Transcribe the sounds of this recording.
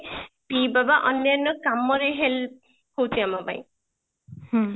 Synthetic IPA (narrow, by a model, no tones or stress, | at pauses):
pibabaʔɔnːanɔkamɔɾeɦel̚ | kowtʰiamaba̰j̃